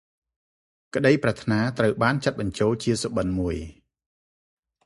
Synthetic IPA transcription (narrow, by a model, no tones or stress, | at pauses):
kə̆ɗəjprɛt̪ʰnaːt̪rəwɓaːnt͡ɕat̪̚ɓɑɲt͡ɕoːlt͡ɕiəsoɓənmuəj